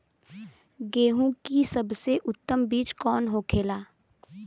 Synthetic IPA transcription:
ɡeːɦũkisɐbseʔʊt̪ːəmbiːt͡ʃkɔːnɦokʰeːlaː

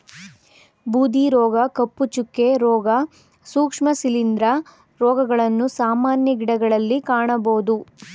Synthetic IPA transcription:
buːd̪iɾɔːɡɐkɐpːut͡ʃukːeɾɔːɡɐ | suːkʂmɐsilind̪ɾɐ | ɾɔːɡɐɡɐɭɐnːusaːmaːnjɐɡiɽɐɡɐɭɐlːikaːɳɐboːd̪u

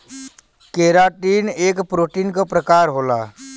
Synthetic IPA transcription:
keːɾaːʈiːneːkpɾoːʈiːnkapɾəkaːɾɦoːla̰ː

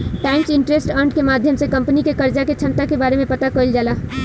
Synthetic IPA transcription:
ʈɛ̃ːɪnt͡ʃɪ̃ɳʈɾesʈə̃ɳɖkemaːd̪ʱjəmsekɐ̃mpnikekəɾd͡ʒaket͡ʃʰə̃nt̪akebaːɾemẽpɐt̪akoːld͡ʒaːlaː

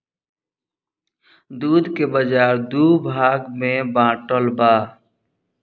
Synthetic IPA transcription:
d̪uːd̪kebəd͡ʒaːɾd̪uːbʱaːɡmẽbãːʈəlbaː

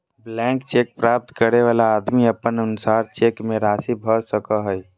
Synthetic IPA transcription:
blɛ̃ːŋkt͡ʃeːk̚pɾaːp̚t̪kəɾeʋaːlaːd̪miəpənənʊsaːɾt͡ʃeːkmẽɾaːsibʱəɾsəkəɦəj

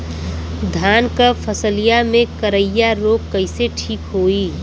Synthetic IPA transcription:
d̪ʱaːnkəpʰəsəlijamẽkəɾəjaɾoːkkəɪseʈʰiːkɦoːi

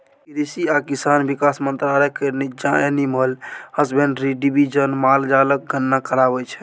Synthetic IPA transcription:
kɾisiakisanbikasmənt̪ɾalekəɾnid͡ʒãeniməlhəsbẽɳɖɾiɖibid͡ʒənmald͡ʒalək̚ɡʱənːakəɾabɛt͡ʃʰɛ

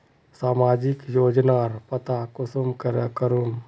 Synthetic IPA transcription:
saːmaːd͡ʒɪkjoːd͡ʒnaːɾpət̪akʊsumkəɾəkəɾum

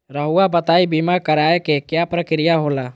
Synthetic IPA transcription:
ɾəɦuabət̪aːibimakəɾaːekekjapɾəkɾijaɦolaː

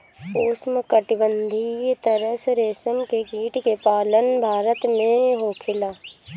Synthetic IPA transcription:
oːsməkəʈɪbənd̪ʱit̪əɾəsɾeːsəmkeɡiːʈkepaːlənbʱaːɾət̪mẽɦoːkʰɪlaː

